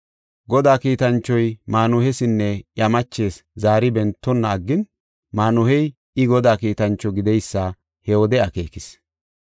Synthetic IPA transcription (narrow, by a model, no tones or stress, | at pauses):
ɡɔd̪aːkiːt̪ɐnt͡ʃːɔjmaːnʊhɛsɪnːɛjɐmɐt͡ʃːe̞ːszaːɾɪbɛnt̪ːɔnːɐːɡːɪn | maːnʊhɛj | ɪɡɔd̪aːkiːt̪ɐnt͡ʃːɔɡɪd̪ɛjsːɐ | hɛwɔd̪ɛɐke̞ːkɪs